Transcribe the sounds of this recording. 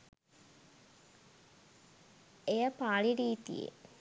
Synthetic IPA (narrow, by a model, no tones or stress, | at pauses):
ejəpaːɭiɖiːt̪ḭjḛ